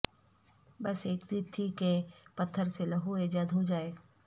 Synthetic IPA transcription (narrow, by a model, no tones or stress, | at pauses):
bɐseːkzit̪ʰːikepɐt̪ʰːəɾselɐɦued͡ʒad̪ʱɦod͡ʒaːeː